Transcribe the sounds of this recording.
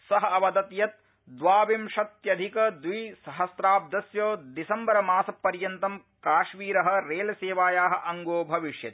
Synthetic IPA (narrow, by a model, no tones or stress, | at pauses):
sɐɦɐ̆ɐʋɐd̪ɐt̪jɐt̪̚ | d̪ʋaːʋimʃɐt̪jɐd̪ʱikɐd̪ʋiːsɐɦɐsɾaːb̚d̪ɐsjoːd̪isɐmbɐɾɐmaːsɐpːɐɾjɐnt̪ɐm | kaːʃmiːɾɐɦɐ̆ɾeːlɐseːʋaːjaːɦɐ̆ʔɐŋɡoːbʱɐʋiʂjɐt̪i